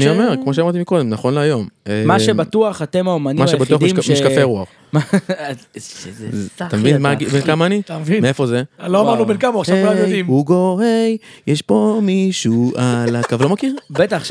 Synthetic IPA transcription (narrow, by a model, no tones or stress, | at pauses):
anio̞me̞ʁkkmoʃ̬eamaʁt̪imiko̞d̪e̞mnaχo̞nleajo̞memaʃebat̪uaχat̪emaomanimaʃebatuaχd̪immiʃkafeʁuaχ | ma | t̪amevinmaɡibenkamaanit̪amvimeefo̞zeloamaʁnubenkamaaʃavkulamjodimhuɡo̞ejjeʃpo̞miʃuʔalakavlomakiʁbet̪aχ